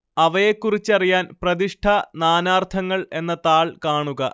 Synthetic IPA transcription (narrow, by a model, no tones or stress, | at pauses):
ɐʋɐjekːurit͡ɕːɐrijaːnprɐðiʂʈʰɐnaːnaːrt̪ʰɐŋːɐɭe̞nːɐt̪aːɭkaːɳuɣɐ̰